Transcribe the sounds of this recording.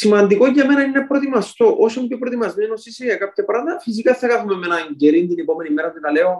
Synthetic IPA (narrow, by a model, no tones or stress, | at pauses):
simɐnd̪ikoɐme̞nɐinepɾo̞t̪imɐst̪o̞ʔosomcepɾot̪imɐzmenosisiɐkɐp̚t̪epɾɐðɐfis̬ikɐθːɐkɐθumemenɐɲɟeɾind̪inepo̞me̞nimeɾɐt̪it̪ɐleo